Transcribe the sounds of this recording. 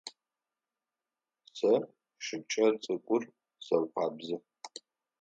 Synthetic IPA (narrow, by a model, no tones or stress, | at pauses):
sɐ | ʃɨpt͡ʃʰʼɐrt͡sʼɨkʷʼʊr | sɐkʷʰaːbzɨ